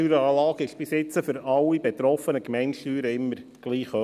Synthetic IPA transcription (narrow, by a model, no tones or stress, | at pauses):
yːɾəɑːlɑːkɪʃb̥ɪsɪt͡səfʏɾɑlːibɛt̪ɾɔfənəkmɛɪnʃtyːɾəɪmːəɾɡ̥liːχœ